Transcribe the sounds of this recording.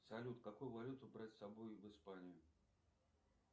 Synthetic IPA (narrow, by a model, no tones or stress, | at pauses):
sɐlʲut̪kɐkujʊvɐlʲut̪ʊbɾatʲsɐbo̞jvɨspanʲɪjʊ